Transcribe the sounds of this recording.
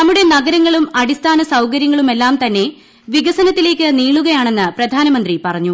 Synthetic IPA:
nɐmːuɽe̞nɐɣɐɾɐŋːɐɭumɐɽist̪ʰaːnɐsɐwkɐɾjɐŋːɐɭume̞lːaːmt̪ɐnːe̞ | ʋiɣɐsɐnɐt̪ːile̞ːkːɨniːɭuɣɐjaːɳe̞nːɨprɐd̪ʱaːnɐmɐnd̪ripɐrɐɲːu

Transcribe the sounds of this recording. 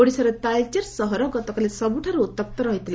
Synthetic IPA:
oɽisɔɾet̪alt͡ɕeɾsɔɦɔɾɔɡɔt̪ɔkalesʌbuʈʰaɾut̪ːəp̚t̪ɔɾʌɦit̪il

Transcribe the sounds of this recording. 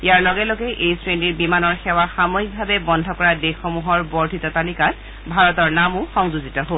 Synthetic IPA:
ijaɹlɔɡɛloɡɛʔejsɹeniɹbimanɔɹxɛwaxamoik̚bʱabɛbɔndʱɔkɔɹadexɔmuɦɔɹbɔɹdʱitɔtalikat̚ | bʱaɹɔtɔɹnamʊxɔŋzuzitɔɦol

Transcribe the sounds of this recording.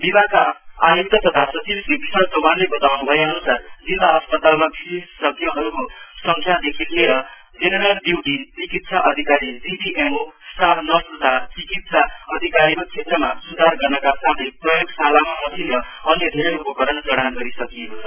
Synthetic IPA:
bibakaːjukt̪ʌt̪ʌt̪ʰasʌt͡sibsibisalt̪obanlebʌt̪awnubʱʌeʌnusard͡zilːaɦʌspʌt̪almabisessʌbʱjʌɦʌɾukosʌŋkʰjad̪ekʰilieɾʌ | d͡zenʌɾʌld̪iwɖint͡sikit̪̚sʰaʔʌd̪ʱikaɾid͡zibiʔemosaɾnʌsud̪ʱat͡sikit̪sʰaʌd̪ʱikaɾiɾot͡sʰet̪rʌmasud̪ʱarɡʌrnʌkasat̪ʰeprʌjoɡsalamamʌsinrʌʌnjʌd̪ʱeɾeɾupʌkʌɾʌnd͡zʌɽ̃anɡʌɾisʌkijekot͡sʰʌ

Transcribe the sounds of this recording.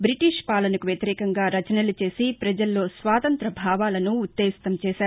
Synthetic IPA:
bɾiʈiːʂpaːlɐnɐkuʋjɐt̪iɾɛːkɐŋɡaːɾɐt͡ʃɐnɐlut͡ʃe̞ːsipɾɐd͡ʒɐlːo̞ːsʋaːt̪ɐnt̪ɾɐbʱaːʋaːlɐnuːt̪ːeːist̪ɐmt͡ʃɛːʃaːɾu

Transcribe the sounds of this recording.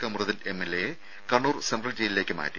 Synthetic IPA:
kɐmrɐðinemelːeje | kɐɳːuːrsendrɐld͡ʑejlile̞ːkʲːɨma̰ːɾi

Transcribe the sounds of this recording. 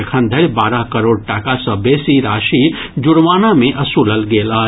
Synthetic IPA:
kʰə̃nd̪ʱəɾbaːɾaɦkəɾoːɽ̚ʈakasəbesiɾaːʃi | d͡ʒʊɽʋaːnamẽʔɐsuːləlɡeːlaː

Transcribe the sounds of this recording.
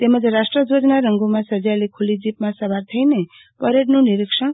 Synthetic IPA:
t̪emʌd͡zeɾasʈrʌd͡zod͡znaɾʌŋɡumasʌd͡zalekʰulid͡zipmasʌbaɾt̪ʰʌjne | pʌɾeʈnuniɾikʂʌn

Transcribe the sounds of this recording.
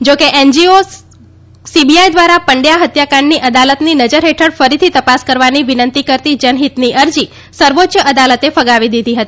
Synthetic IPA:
d͡ʒokeʔend͡ʒio | sibiajd̪ʋaɾapəɳɖjaɦət̪jakaɳːiʔəd̪alət̪ninəd͡ʒəɾɦeʈʰəɽfəɾit̪ʰit̪əpaskəɾʋaniʋɪnənt̪ikəɾt̪id͡ʒənɦit̪niʔəɾd͡ʒi | səɾʋot̪ːʃəəd̪alət̪efəɡaʋid̪id̪ʱiɦət̪ii

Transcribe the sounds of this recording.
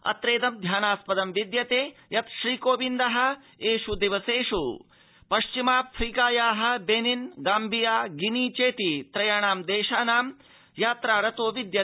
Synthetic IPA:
ɐ̰t̪ɾeːd̪ɐmd̪ʱjaːnaːspɐd̪ɐmʋid̪jɐt̪eːjɐt̪ʃɾiːkoːʋind̪ɐɦɐ̆ | eːʂud̪eʋɐseːʂu | pɐʃt͡ʃimaːpʰɾiːkaːjaːɦɐ̆beninɡaːmbʱijaːɡinit͡ʃeːt̪it̪ɾɐjaːɳaːmd̪eːʃaːnaːm | jaːt̪ɾaːɾɐt̪oːʋid̪jɐ

